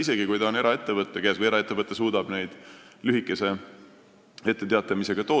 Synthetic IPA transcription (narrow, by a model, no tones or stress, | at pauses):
ise̞ɡikujt̪ɑone̞ɾʔɑe̞t̪ːe̞vɤt̪ːˑekesvɨjeɾɑe̞t̪ˑːevɤt̪ːˑes̬uːd̪̥ɑb̥ne̞jd̪̥ | lyɦikːˑe̞se̞ | e̞t̪ˑːe̞t̪eɑt̪ˑːɑmise̞ɡɑt̪o̞ː